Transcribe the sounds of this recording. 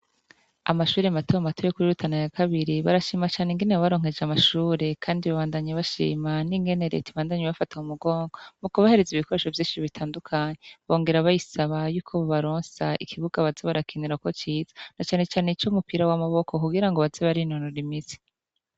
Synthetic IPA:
a̰maʃuːɾematojomatʰojokuɾiɾutʰanajakaβiɾiβa̰ɾaʃiːmat͡ʃaːneŋɡeneaβaɾo̞ːŋ̥e̞d͡ʒamaʃuːɾe̞kʰaːndiβaβaːndaɲaβaʃḭːmaniŋɡe̞ne̞ɾḛtiβaːndaɲeβafataumuɡo̞ːŋɡomukuβahe̞ɾe̞ziβikoɾe̞ʃo̞vjiːʃiiβitʰaːndukʰaɲeβo̞ːŋɡe̞ɾaβajisaβajuːkʰo̞βoβaɾo̞ːnsaikʰiβuɡaβazeβaɾakʰiniɾauko̞t͡ʃiːz̥ḁnat͡ʃaːne̞t͡ʃaːneit͡ʃomupiɾawamaβo̞kʰo̞kuɡiɾaŋɡoβazeβaɾinonoɾimize̥

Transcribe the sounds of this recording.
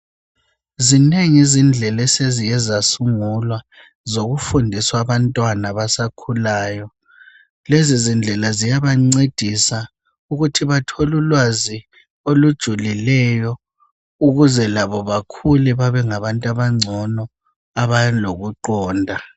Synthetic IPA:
zineŋizind͡ɮʱɛlɛsezijɛzasuŋulwa | zoɣufundʱiswaβantʼwanaβasakʰulaːjɔ | lezizind͡ɮʱɛlazijaβaŋ͡ǀed̥ʱisa | uɣutʰiβatʰɔlulwazi | olud̥ʒ̥ʱulilɛjɔ | uɣuzɛlaβɔβakʰulɛβaβɛŋaβantʼaβaŋ͡ǀʱɔnɔ | aβajloɣuǃɔːndʱa

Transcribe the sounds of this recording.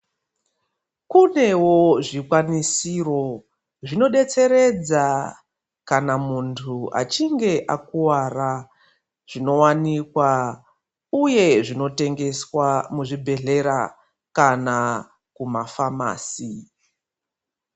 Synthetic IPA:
kune̞wo̞ʐikwanisiro̞ | ʐino̞ɗe̞t͡se̞ɾe̞d͡za | kanamuntʰua̰t͡ʃiŋɡe̞ʔakuwara | ʐ̥ino̞wanikwa | uje̞ʐino̞te̞ŋɡe̞swamuʐibʱe̞ɮe̞ɾa | kana | kumafama̰ːsi

